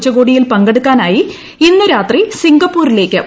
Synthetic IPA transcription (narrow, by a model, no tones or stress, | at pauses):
t͡ɕːɐɣo̞ːɽijilpɐŋɡeɽukːaːnaːji | inːɨɾaːt̪risiŋɡɐpːuːrile̞ːkʲːɨ